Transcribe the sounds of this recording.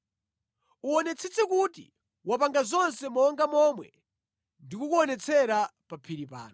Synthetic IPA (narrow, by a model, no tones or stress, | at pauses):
uɔnɛt͡sʰɛt͡sʰɛkutḭ | wapaŋɡazɔnsɛmɔŋɡamɔmwɛ̰ | ndikukuɔnɛt͡sʰɛɾapapʰiɾipa̰ːnɔ